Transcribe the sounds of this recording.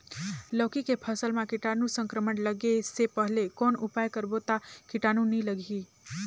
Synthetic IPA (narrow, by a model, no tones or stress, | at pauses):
ləːkikepʰəsəlmãkɪʈanũsə̃ŋkɾəmənləɡesepəɦlekɔːnʊpaːjkəɾbot̪akɪʈaːnuniləɡʱi